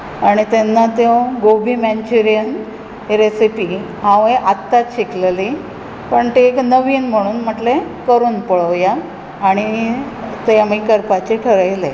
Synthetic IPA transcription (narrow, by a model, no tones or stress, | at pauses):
aɽ̃it̪enːat̪jõɡobimɛnt͡ɕuɾijən | ɾesipi | ɦãʋeʔat̪ːat̪ɕikleli | pəɳt̪ieknəʋiːnm̤əɽ̃uːnm̤əʈlekəɾuːnpəɭəʋjaː | ɽ̃i | t̪eamiːkəɾpat͡ɕeʈʰəɾajle